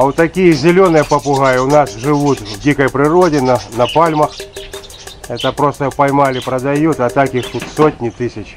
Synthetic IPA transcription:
ɐot̪ːɐkʲijəzʲɪlʲonɨjɐpɐpʊɣajɪʊnasʐɨʋut̪vdʲikɐjpɾɪɾodʲɪnɐnɐpalʲmɐx | ɛt̪ɐpɾost̪ɐpɐjmalʲɪpɾɐd̪ajut̪ɐt̪akixt̪ut̪sotʲnʲɪt̪ɪsʲɐt͡ɕ

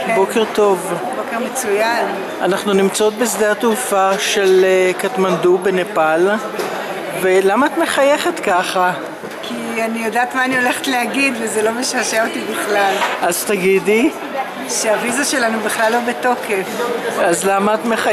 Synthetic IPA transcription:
bo̞keʁt̪o̞vbo̞keʁmet͡sujan | anaχnunimt͡sao̞t̪̚bes̬d̪eat̪ufaʃe̞lkat̪mand̪ubenepal | velamaːt̪me̞χaje̞χet̪kaχa | kʰi | anijodaːt̪maːnio̞leχetleaɡidvezelo̞meʃaʃeotibiχlalaz̥t̪aɡidi | ʃeavizaʃe̞lanubiχlalhubeto̞ke̞fazlamaːt̪meχa

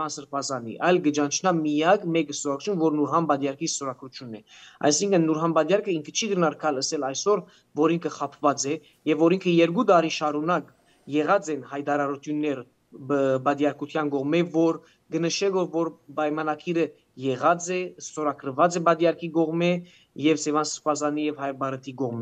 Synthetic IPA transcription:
ɑnsəɾpʰɑzɑnḭʔɑjlɡəd͡ʒɑnt͡ʃʰnɑmijɑkmɛkəst̪ɔɾɑkɾut͡ʃʰunvɔɾnuɾɦɑnbɑd̪jɑɾkʰist̪ɔɾɑkɾut͡ʃʰjunːɛ | ɑ̰jsiŋkʰənːuɾɦɑnbɑd̪jɑɾkʰəiŋkʰə̥t͡ʃʰiɡənɑɾkʰɑləsɛlɑjsɔɾ | vɔɾiŋkʰəχɑpʰvɑt͡sɛ | jɛvːɔɾiŋkʰəjɛɾɡud̪ɑɾiʃɑɾunɑk | jɛʁɑt͡sɛnhɑjt̪ɑɾɑɾut̪ʰjunːɛɾ | bɑd̪jɑɾkut̪ʰjɑnɡɔʁmɛvɔɾ | ɡənəʃɛlɔɾvɔɾpɑjmɑnɑkʰiɾə | jɛʁɑt͡sɛst̪ɔɾɑkɾəvɑt͡sɛbɑd̪jɑɾkʰiɡɔʁmɛ | jɛvsɛvɑnsəɾpɑzɑnijɛvhɑjbɑɾət̪ʰiɡɔʁmɛ

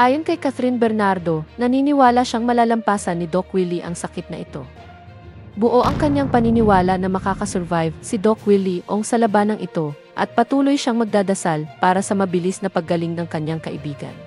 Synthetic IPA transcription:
ʔaːjonkɐjkɐt̪ɾinbɛɾnaɾd̪o̞nɐniːnɪwaːlɐʃaŋmɐlaːlɐmpaːsɐnːɪd̪o̞kwiliʔɐŋsɐkɪt̪̚nɐʔɪt̪o̞ | bʊʔo̞ʔɐŋkɐɲaŋpɐninɪwaːlɐnɐmɐkaːkɐsɛɾvajvsɪd̪o̞kwiliʔoŋsɐlɐbanɐŋʔɪt̪o̞ | ʔɐ̰t̪̚pɐt̪uːlo̞jʃaŋmɐɡ̚d̪aːd̪ɐsalpaːɾɐsɐmɐbɪlisnɐpɐɡːɐliŋnɐŋkɐɲːaŋkɐʔɪbiːɡɐ̰n

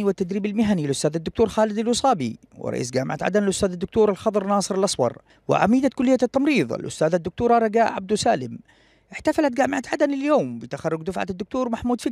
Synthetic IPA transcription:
iwɪt̪ːad̪ɾiːbalmɪɦanilʔʊst̪aːðad̪ːʊk̚t̪uːɾˤxaːlɪd̪alwʊsˤɑːbḭ | wɪ̰ɾˤʔɑ̰ʔḭːs̬ɡaːmɪ̰ʕa̰t̪ʕa̰d̪anɪlʔʊst̪aːðad̪ːʊk̚t̪uːɾˤalxɑd̪ˤɾˤnɑːsˤɨɾalʔɑsˤwɑ̰ɾˤ | wɪ̰ʕa̰miːd̪akʊlːɪjːat̪ːɑmɾiːðˤa̰lʔʊ̰st̪aːðad̪ːʊk̚t̪uːɾˤɑɾˤɑɡaːʔʕab̚d̪usaːlɪm | ʔɪħt̪afalat̪̚ɡaːmɪʕat̪ʕad̪anɪljoːmbɪt̪axɑrˤːʊɡd̪ʊfʕa̰d̪ːʊk̚t̪uːɾmaħmuːd̪fi

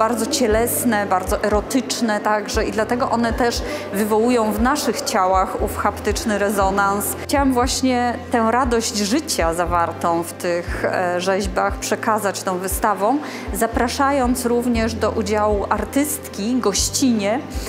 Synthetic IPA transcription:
b̥aɾd̪zɔt͡ɕɛlɛsnɛbaɾd̪zɔʔɛɾɔt̪ɘt͡ʂnɛt̪aɡʐɛid̪lat̪ɛɡɔʔɔnɛt̪ɛʂvɘvɔwujɔ̃w̃vnaʂɘxt͡ɕawaxufxapt̪ɘt͡ʂnɘɾɛzɔnanst͡ɕawɛmvwaɕɲɛt̪ɛ̃ɾad̪ɔʑd͡ʑʐɘt͡ɕazavaɾt̪ɔ̃w̃ft̪ɘxʐɛʑbaxpʂɛkazat͡ɕt̪ɔ̃w̃vɘst̪avɔ̃w̃ | zapɾaʂajɔnt̪sɾuvɲɛʐd̪ɔʔud͡ʑawuʔaɾt̪ɘst̪kʲiɡɔɕt͡ɕiɲɛ

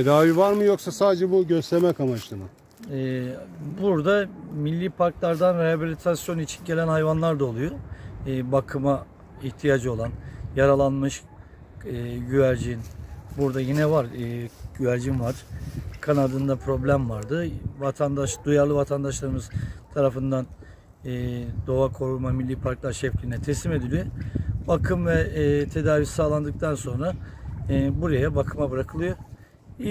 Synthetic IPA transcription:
ed̪aːvivaɾmɯjo̞ksasaːd̪ed͡ʒɛbuɟøst̪ʰɛɾmɛkamat͡ʃlˠɯmɯ | ɛbuɾd̪amilʲːiːpʰaɾklˠaɾd̪anɾehabilʲit̪ʰasjo̞nit͡ʃʰi̥nɟe̞lʲænhajvanlˠaɾd̪ao̞lˠujoː | bakʰɯma | içt̪ʰijad͡ʒɯo̞lˠanjaɾalˠanmɯʃː | ɟyvæɾd͡ʒinbuɾd̪ajinɛvaɾɯɟyvæɾd͡ʒimvaɾ̥kʰanad̪ɯnd̪apʰɾo̞blʲæmvaɾd̪ɯvat̪ʰand̪aʃd̪ujaɾlˠɯvat̪ʰand̪aʃlˠaɾɯmɯz̥t̪ʰaɾafɯnd̪anː | d̪o̞akʰo̞ɾumamilʲːiːpʰaɾklˠaɾʃɛfcʲinɛt̪ʰesime̞d̪ilʲijobakʰɯmvɛt̪ʰe̞d̪aːvisaːlˠand̪ɯk̚t̪ʰanso̞nɾa | buɾajabakʰɯmabɯɾakʰɯlˠɯjo | i

